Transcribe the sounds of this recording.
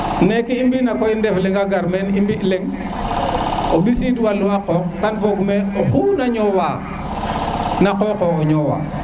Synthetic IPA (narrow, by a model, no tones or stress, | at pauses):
nekiimbinakoindefleŋaɡaɾmenimbileŋ | obisiduwalːuakɔːk̚ːanvoɡmeoxunaɲɔwa | nakoːkooɲɔwa̰